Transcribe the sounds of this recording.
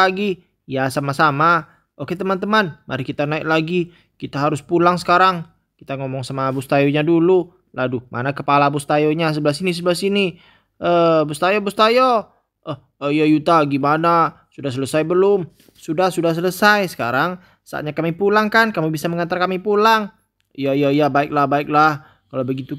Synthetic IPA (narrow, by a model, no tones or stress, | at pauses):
aɡi | jasamasama | oket̪əmant̪əmanmʔa̰ɾikit̪anaɪk̚laɡi | kit̪aɦaɾʊspulaŋsə̥kaɾaŋ | kit̪aŋomɔŋsamabust̪ajoɲadulu | ladumʔa̰nakəpalabust̪ajoɲas̬əbəlas̬inis̬əbəlasini | ʔəbust̪ajobust̪ajo | ʔəh | əjajut̪aɡimana | sudahs̬ələsajbəlʊm | sudahsudahs̬ələsajsə̥ka̰ɾaŋ | sa̰a̰ɲakamipulaŋkankamubisaməŋant̪arkamipulaŋ | jaijajabaɪk̚lahbaɪk̚lah | kalawbəɡit̪u